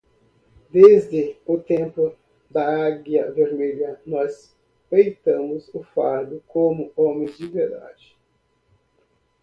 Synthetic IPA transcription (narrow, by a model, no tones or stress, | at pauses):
d̪ezd̪ɪʊt̪ẽmplʊ | d̪ɐaɡjɐveɾmeʎɐnɔs | pejt̪ɐ̃mʊzʊfaɾd̪ʊkõmʊõmẽj̃zd͡ʒɪveɾd̪a̰d͡ʒɪ